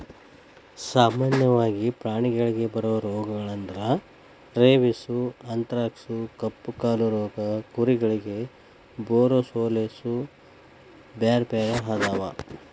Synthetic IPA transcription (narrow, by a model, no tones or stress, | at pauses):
saːmaːnjɐʋaːɡipɾaːɳiɡɐɭiɡe̞bɐɾɐʋɐɾɔːɡɐɡɐɭɐnd̪ɐɾɐ | ɾeːʋisuɐnt̪ɐɾaːksukɐpːukaːluɾɔːɡɐkuɾiɡɐɭiɡe̞ | boːɾosoːlesu | baːɾpaːɾɐɦaːd̪aːʋa